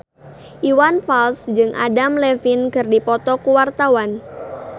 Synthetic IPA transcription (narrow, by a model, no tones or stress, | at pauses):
ʔiwanfalsd͡ʒɨŋʔa̰damlɛfinkɨrdipɔt̪ɔkuwart̪awan